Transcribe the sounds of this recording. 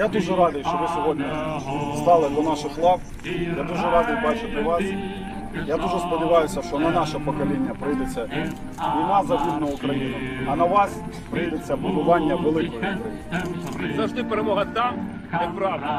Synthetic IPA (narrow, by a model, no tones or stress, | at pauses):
jad̪uʒɛɾɑd̪ɪjʃt͡ʃɔʋɪsʲɔɦɔdʲnʲist̪ɑlˠɪd̪ɔnɑʃɪxlˠɑk | jad̪uʒɛɾɑd̪ɪjbɑt͡ʃɪt̪ɪʋɑs | jad̪uʒɛspɔdʲɪʋɑjʊsʲɐʃt͡ʃɔnɐnɑʃɛpɔkɔlʲinʲːɐpɾɪjd̪et͡sʲːɐ | nʲɪmɑzɐʋʲid̪nɐʊkɾɐjinʊɐnɐʋɑs | pɾɪjd̪et͡sʲːɐbʊd̪ʊʋɑnʲːɐʋelˠɪkɔjʊkɾɐjinzɐʒd̪ɪpeɾemɔɦɐt̪ɑm | t̪ɪpɾɑʋd